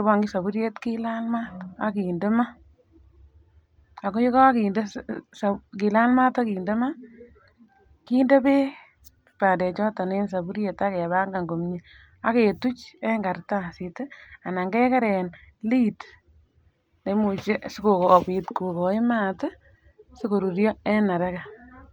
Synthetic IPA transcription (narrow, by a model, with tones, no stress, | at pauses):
ɪ˦bɔ˨ŋɡi˦sa˨bu˦ɾje˦tki˦la˦lma˦ta˦ki˨ndɪ˦ma˦ | a˨ko˦ji˦kɔ˦ki˨nde˦ssa˨ki˨la˦lma˦ta˦kiː˨nde˦ma˦ | kiː˦nde˦pe˦ | pa˨ndɛ˨t͡ʃɔ˦tɔ˨ne˦ns̬a˨bu˦ɾje˨ta˦kɛ˨βa˦ŋɡa˨ŋɡo˨mɲi˦ | a˦ke˨tu˦t͡ʃɛ˦ŋɡa˨rta˦sɪ˨te˦a˨na˨ŋɡɛ˦ka˦ɾɛ˨n | li˦t | ne˨mu˨t͡ʃe˦sɪ˦ko˨ko˨pi˨tko˨ko˨ɪ˦ma˦tɪ˦ | sɪ˦ko˨ɾu˨ɾjɔ˦ɛ˦na˨ɾɛ˦ka˨